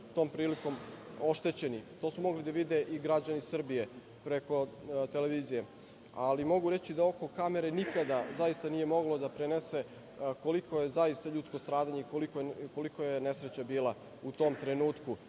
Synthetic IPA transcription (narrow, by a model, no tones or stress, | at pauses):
t̪o̞ːmpɾiːliko̞m | o̞ʃt̪e̞t͡ɕe̞nit̪oːsumo̞ɡlid̪aʋid̪e̞ʔiɡɾad͡ʑanisr̩bije̞ | pɾe̞ko̞t̪e̞leʋiːzije̞ | alimo̞ɡuɾe̞t͡ɕid̪ao̞ko̞kame̞ɾe̞nikad̪azajist̪anije̞mo̞ɡlˠo̞d̪apɾenese̞ | ko̞likʰojezaist̪aʎut̪sko̞st̪ɾaːd̪aɲeikolikoko̞likojene̞sɾet͡ɕabiːlˠa | ut̪o̞ːmt̪ɾenuːt̪ku